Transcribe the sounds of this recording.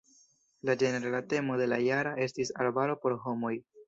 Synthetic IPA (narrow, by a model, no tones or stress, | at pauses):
lad͡ʒe̞neɾalate̞mo̞de̞lajaɾae̞stisa̰ɾbaɾo̞po̞ɾɦo̞mo̞j